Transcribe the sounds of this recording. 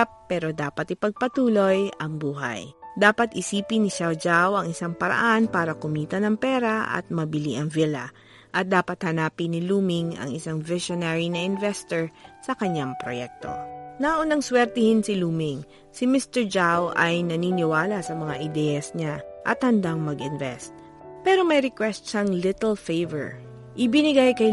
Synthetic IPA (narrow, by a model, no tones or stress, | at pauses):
pːɛːɾo̞d̪aːpɐt̪ɪpɐɡ̚pɐt̪uːlo̞jɐŋbuːɦa̰jd̪aːpɐt̪ɪsiːpɪnɪʃawd͡ʒawɐŋɪsaŋpɐɾɐ̰ʔanpaːɾɐkʊmiːt̪ɐnɐŋpɛːɾɐɐ̰t̪̚mɐbɪliʔɐŋvilɐ̰ | ʔɐt̪̚d̪aːpɐt̪̚hɐnaːpɪnɪluːmɪŋɐ̰ŋɪ̰saŋvɪʃonaːɹinɐʔɪnvɛst̪oɹsɐkɐɲaŋpɾo̰jɛk̚t̪o̞̰naʔonɐŋswɛɾt̪ɛhɪnsɪluːmɪŋ | sɪmɪst̪ɛɹd͡ʒawʔɐjnɐniːnɪwaːlɐsɐmɐŋaʔɪd̪ɛjɐsɲaʔɐt̪̚hɐnd̪aŋmɐɡɪnvɛst̪ | pɛːɾo̞mɐjɾɪkwɛst̪̚ʃɐŋlɪt̪ɛlfejvɛ̰ɹ | ʔɪbɪnɪɡajkɐj